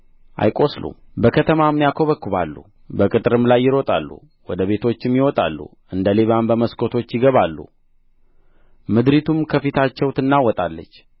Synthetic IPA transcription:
ʔa̰jkʼo̞slṵbəkʰət̪ʰəmamːjakʰoβəkːuβa̰lːṵ | bəkʼɨt̪ʼɾɨmlajːɪɾo̞t̪ʼa̰lːṵ | wɔd̪əβe̞t̪ʰo̞t͡ʃːɪmjɪwɔt̪ʼa̰lːṵ | ʔɨnd̪əleβambəməskʰʼo̞t̪ʰo̞t͡ʃːjɪɡəβalːṵ | mɨd̪ɾit̪ʰumkʰəfit̪ʰat͡ʃːɛwt̪ʰɨnːawɔt̪ʼalːə̰t͡ʃː

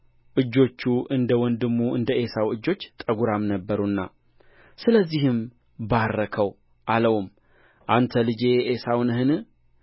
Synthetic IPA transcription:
ʔɨd͡ʒːo̞t͡ʃːuʔɨnd̪əwɔnd̪ɨmːuɨnd̪əʔe̞sawɨd͡ʒːo̞t͡ʃːt̪ʼəɡuɾamnəbːəɾunːa̰ | sɨləzːihɨm | barːəkʰəw | ʔaləwum | ʔant̪ʰəlɨd͡ʒe̞ʔesawnɦɨn

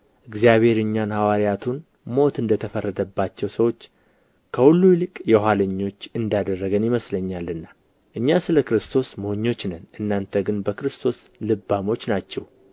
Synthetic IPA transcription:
ʔɨɡzijaβe̞ɾɨɲːanhawaɾijat̪ʰun | mo̞t̪ɨnd̪ət̪ʰəfərːəd̪əbːat͡ʃːɛwsəwo̞t͡ʃː | kʰəhulːujlɨkʼjɛhaləɲːo̞t͡ʃːɨnd̪jad̪ərːəɡənjɪməsləɲːalːɨnːa | ʔɨɲːasɨləkɾɨst̪ʰo̞smoɲːo̞t͡ʃːnənʔɨnːant̪ʰəɡɨnbəkɾɨst̪ʰo̞s | lɨbːamo̞t͡ʃːnat͡ʃːɛw

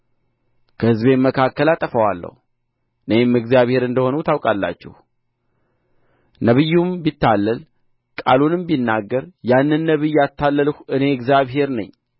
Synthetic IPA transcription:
kʰəhɨzβe̞məkʰakːəlat̪ʼːəfəwalːə̰h | ɨnəemɨɡzjaβhe̞ɾɨnd̪əho̞nut̪ʰawkʼalːa̰t͡ʃːɛ̰h | nəβɨjːumbit̪ʰːalːəl | kʼa̰lunɨmbinːaɡːəɾjanːɨnːəβɨjːat̪ʰːalːələhɨne̞ɨɡzjaβɦe̞ɾnə̰ɲː

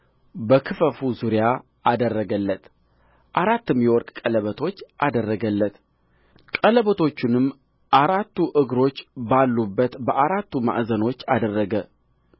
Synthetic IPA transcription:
bəkʰɨfəfuzuɾja | ʔad̪ərːəɡəlːət̪ | ʔaɾat̪ːɨmjɛwɔɾkʼkʼələβət̪ʰo̞t͡ʃːʔa̰d̪ərːəɡəlːət̪ | kʼələβət̪ʰo̞t͡ʃːunɨmː | ʔaɾat̪ːuʔɨɡɾo̞t͡ʃːbalːubːət̪bəʔaɾat̪ːuma̰ʔzəno̞t͡ʃːad̪ərːəɡə

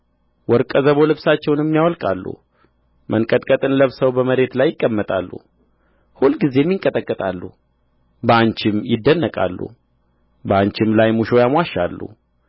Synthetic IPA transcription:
wɔɾkʼəzəβo̞lɨβsat͡ʃːɛwnɛmːijawɔlkʼalːṵ | mʔənkʼət̪ʼkʼət̪ʼɨnləβsəwbəməɾe̞t̪lajːɪkʼːəmːət̪ʼalːṵ | hulːɡize̞mːjiŋkʼət̪ʼəkʼːət̪ʼalːṵ | bəaɲt͡ʃɪmjɪd̪ːənːəkʼa̰lːṵ | bəaɲt͡ʃɪmlajmuʃo̞jamwaʃːalːṵ

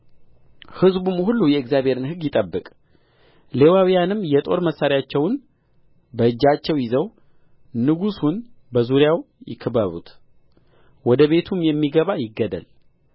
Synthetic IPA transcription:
hɨzbumhulːujɛɨkzjaβʱe̞ɾɨnɦɨɡjɪt̪ʼəbːɨkʼ | le̞wawijanɨmjɛt̪ʼo̞ɾməsːaɾijat͡ʃːɛwn | bəɨd͡ʒːat͡ʃːɛwjɪzəw | nɨɡusun | bəzuɾjaw | jɪ̰kʰɨbəβṵt̪ | wɔd̪əβe̞t̪ʰumjɛmːiɡəβajɪɡːəd̪ə̰l

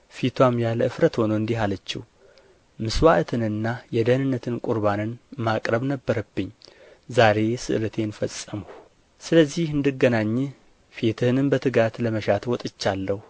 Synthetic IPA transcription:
fit̪ʰwamjaləɨfɾət̪ho̞nəɨnd̪iɦalət͡ʃːɪh | mɨswaʔɨt̪ʰɨnɨnːajɛd̪ənɨnːət̪ʰɨnkʼuɾβanɨnmakʼɾəβnəbːəɾəbːɨɲː | zaɾe̞sɨ̰ʔɨlət̪ʰe̞nfəsʼəmu | sɨləzːihɨnd̪ɨɡːənaɲː | fit̪ʰɨhnɨmbət̪ʰɨɡat̪ləməʃat̪ʰwɔt̪ʼɨt͡ʃːalːəhu

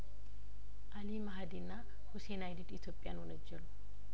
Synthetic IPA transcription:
ʔɐlimɐɦɐd̪inːa | hʊsenajd̪id̪ɪt̪joːpʼːɪja̰ːnwɔnɐd͡ʒːɛlʊ̥

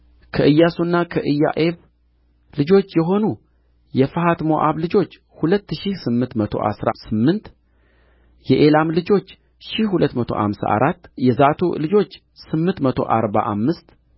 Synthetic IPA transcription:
kʰəʔɨjːasunːakʰəʔɨjːa̰ʔeβ | lɨd͡ʒo̞t͡ʃːjɛɦo̞nu | jɛfəɦat̪mo̞ʔaβlɨd͡ʒo̞t͡ʃː | hulət̪ːʃihsɨmːɨnt̪mət̪ʰo̞̰ʔa̰sɾa̰sɨmːɨnt̪ | jɛʔelamlɨd͡ʒo̞t͡ʃː | ʃihhulət̪ːmət̪ʰo̞̰ʔa̰msa̰ʔa̰ɾat̪ːjɛzat̪ʰṵlɨd͡ʒo̞t͡ʃː | sɨmːɨnt̪mət̪ʰo̞̰ʔaɾba̰ʔamːɨst̪

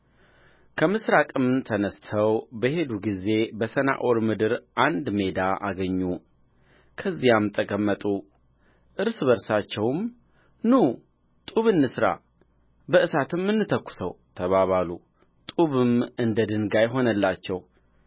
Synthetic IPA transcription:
kʰəmɨsɾakʼɨmt̪ʰənəst̪ʰəwbəhe̞d̪uɡize̞bəsəna̰ʔoɾmɨd̪ɨɾʔand̪me̞d̪aʔaɡəɲːu | kʰəzːijamt̪ʼəkʼəmːət̪ʼu | ʔɨɾsβəɾsat͡ʃːɛwm | nu | t̪ʼuβɨnːɨsɾa̰ | bəʔɨsat̪ʰɨmːɨnːɨt̪ʰəkʷːʊ̥səwt̪ʰəβaβalu | t̪ʼuβɨmɨnd̪əd̪ɨnɡajɦo̞nəlːat͡ʃːɛw

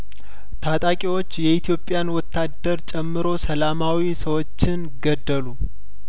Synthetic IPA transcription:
t̪ʰat̪ʼakʼiwo̞t͡ʃːjɛit̪ʰijo̞pʼːjanwɔt̪ʰːad̪əɾt͡ʃʼɛmːɨɾo̞səlamawisəwo̞t͡ʃːɪn | ɡəd̪ːəlu

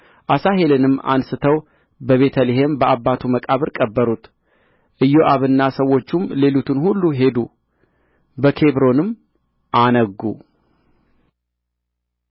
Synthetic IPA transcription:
ʔasaɦe̞lɨnɨmːa̰nsɨt̪ʰəw | bəβe̞t̪ʰəliɦembəʔabːat̪ʰuməkʼaβɨɾkʼəbːəɾut̪ | ʔɨjːo̞ʔaβɨnːasəwːo̞t͡ʃːumle̞lut̪ʰɨnhulːuɦe̞d̪u | bəkʰe̞βɾo̞nɨm | ʔanəɡṵ

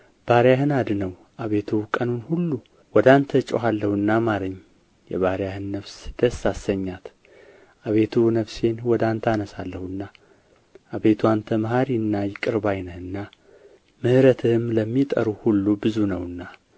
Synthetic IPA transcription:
b̥aɾjahɨnad̪nəw | ʔaβe̞t̪ʰukʼənunhulːu | wɔd̪ant̪ʰət͡ʃʼoɦalːəhɨnːamaɾəɲː | jɛ̰βaɾjahɨnːəβsd̪̥əsasːəɲːat̪ | ʔaβe̞t̪ʰunəβse̞nwɔd̪ant̪ʰanəsalːəhuɨnːa | ʔaβe̞t̪ʰuant̪ʰəmhaɾiɨnːajɪkʼɨɾbajnəhɨnːa | mɨhɨɾət̪ʰɨmləmːit̪ʼə̰ɾuhulːubɨzunəwɨnːa

